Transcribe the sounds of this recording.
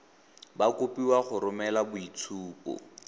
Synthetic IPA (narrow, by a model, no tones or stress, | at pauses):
bakopiwaχʊɾʊmɛlabʊit͡sʰuːpɔ̰